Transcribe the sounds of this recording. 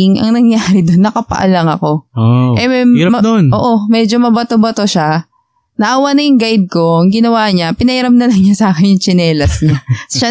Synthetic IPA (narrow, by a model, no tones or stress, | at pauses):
ɪŋɐ̰ŋnɐŋjaːɾɪd̪onːɐkɐpɐ̰ʔɐ̰lɐŋɐko̞ʔɛonoːʔo̞mɛːd͡ʒomɐbɐt̪obɐt̪o̞ʃa | nɐʔaːwɐnɐjʊŋɡajd̪̚ko̞ɐŋɡɪnɐwaːɲapɪnɐʔɪɾɐmnɐlɐŋɲasaːkɪnjʊŋt͡ʃɪnɛːlɐsɲaʃa